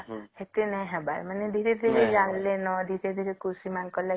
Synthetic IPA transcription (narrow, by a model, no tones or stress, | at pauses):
het̪enɛ̃ɦɛba̰ɾmaned̪ʱiɾed̪ʱiɾed͡ʒaŋlenɔd̪ʱiɾed̪ʱiɾekusimankɔla